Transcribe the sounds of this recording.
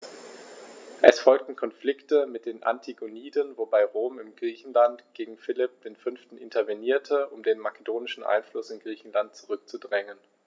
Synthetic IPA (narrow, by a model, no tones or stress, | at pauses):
ʔɛsfɔlk̚tn̩kʰɔnflɪktəmɪt̚d̥eːnʔa̰ntʰiɡoniːdənvobaɪʁoːmɪmɡʁiːçn̩lantɡ̥eːɡŋ̩fɪlɪp̚d̥eːnfʏnftn̩ʔɪntʰɐveniːɐtʰəʔʊmdeːnmakedoːnɪʃn̩ʔa̰ɪnflʊsɪnɡʁiːçn̩lant̚t͡suʁʏk̚t͡sudʁɛŋən